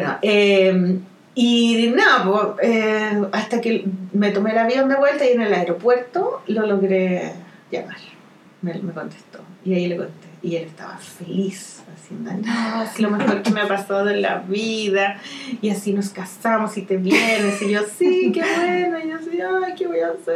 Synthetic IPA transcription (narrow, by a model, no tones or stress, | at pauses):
beno̰ʔem | inopoeast̪akemet̪omelaβjo̞nd̪eβwe̞lt̪aienelaeɾopwe̞ɾt̪olo̞loɣɾe | ʝa̰maɾ | memeko̞nt̪e̥st̪o̞̰iailekont̪eiʝelest̪a̰βa̰fe̞lisasjend̪oa̰nasilomexoɾkemeapasaðoela̰βiðaiasinoskasamosit̪eβjenesiʝosikeβwenoijosiakeβojaːseɾ